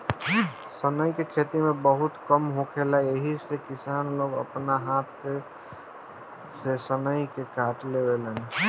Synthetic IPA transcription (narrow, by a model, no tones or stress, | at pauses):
sənəjkekʰet̪imebəɦut̪kəmɦokʰelaeɦisekisanloɡə̰pnaɦat̪ʰke | sesənəjkekaʈlebelən